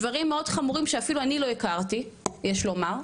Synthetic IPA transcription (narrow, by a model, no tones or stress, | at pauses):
vaʁimːeo̞dχamuʁimʃeafiluanilo̞ikaʁt̪ijeʃlomaʁ